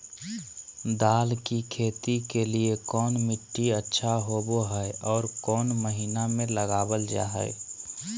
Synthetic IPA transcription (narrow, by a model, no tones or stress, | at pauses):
d̪aːlkikʰeːt̪ikeliekɔːnmɪʈːiətːʃʰaɦoboɦɛɛʔɔːɾkɔːnməɦiːnamẽləɡaːbəld͡ʒa̰ːɦə̰ɪ